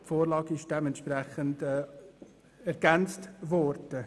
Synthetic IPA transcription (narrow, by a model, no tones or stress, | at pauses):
foːɾlɑːɡɪʃd̥ɛmɛntʃprɛχəndɛ | ɛɾɡ̥ɛnt͡stvɔrd̥ə